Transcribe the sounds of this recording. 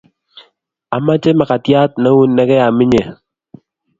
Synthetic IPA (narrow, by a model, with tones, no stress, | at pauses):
a̰˨ma˦t͡ʃe˦ma˨ka˨tja˦t̚nɛ˦wu˦nːɛ˦kɛ˦ja˨mɪ˦ɲe˨